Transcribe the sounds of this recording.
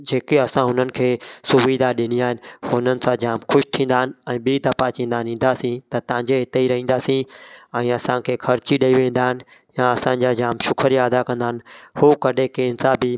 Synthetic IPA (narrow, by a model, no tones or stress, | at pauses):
d͡ʑeːkeɐsãɦʊnənɪ̆kʰeːsʊʋiːd̪ʱaɗɪniaːɦɪnɪ̆hʊnənɪ̆sãd͡ʑaːmxʰʊʃt̪ʰĩːnd̪aːɦɪnɪ̆ɛ̃ːɓid̪ɐpat͡ɕĩːnd̪aːnɦĩːn̆d̪aːsĩt̪ɐt̪ɐʋ̤ãɲd͡ʑeɦɪt̪eiɾɐɦĩːn̆d̪aːsĩɛ̃ːɐsãkʰeːkʰɐɾɪt͡ɕiɗɐiʋẽːn̆d̪aːɦɪnɪ̆jaɐsãːɲd͡ʑad͡ʑaːmʃʊkʰəɾijaɐd̪akɐ̃nd̪aːɦnɪ̆huːkɐɗekeːnsãbɪ